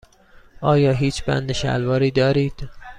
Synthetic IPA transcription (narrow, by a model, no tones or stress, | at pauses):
ʔɒːjɒːɦiːt͡ʃʰbæ̰nd̪eʃæ̰lvɒːɾiːd̪ɒːɾiːd̪̥